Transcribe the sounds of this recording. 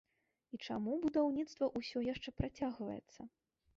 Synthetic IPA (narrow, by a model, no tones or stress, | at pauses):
it͡ʂamubud̪awnʲit̪st̪vɐʔusʲɔjaʂt͡ʂɛpɾat͡sʲaɣvɐ̰jɛ̰t̪sːɐ